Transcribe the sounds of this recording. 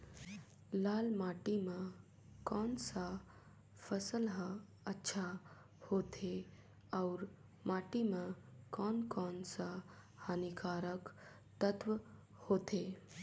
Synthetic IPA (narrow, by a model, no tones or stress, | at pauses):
laːlmaʈime | kɔːnsa | pʰəsəlɦə | ətːʃʰa | hot̪ʰe | aʊɾ | maːʈimẽkɔnkɔːnsahanikaɾək | t̪ət̪ʋ | hot̪ʰe